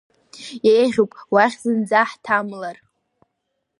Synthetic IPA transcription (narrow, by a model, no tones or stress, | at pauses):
jejʁʲowpʼwaχʲzɨnd͡zaħtʰamlar